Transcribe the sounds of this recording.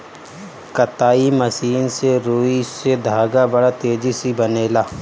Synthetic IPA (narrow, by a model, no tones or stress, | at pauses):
kɐt̪aːimɐsiːnseɾoːised̪ʱaːɡabɐɽat̪eːd͡ʒisibɐneːlaː